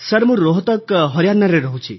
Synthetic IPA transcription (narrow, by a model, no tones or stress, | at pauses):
sɐɾmuɾoɦt̪ɔkɦʌɾjanːaɾeɾʌɦũt͡sʰḭ